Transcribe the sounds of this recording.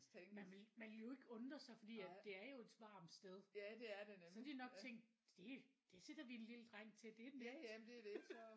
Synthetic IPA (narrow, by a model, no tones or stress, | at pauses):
eŋmmænelmænejo̝e̝ɡ̥əɔ̽nd̥ʁɐsɑ̈ɪfɒ̽d̥ḭːæd̥e̝æɐjo̝e̝d̥ʋɑ̈ːmsd̥eð̞ˠæd̥eæɐdenesɒd̥inɒ̽ɡ̥̚t͡sʰeŋ̰ɡd̥ | d̥e̝d̥ese̝d̥ɐʋienliləd̥ʁaŋ̰t͡sʰe̝d̥e̝nemd̥eɐdeɡ̥s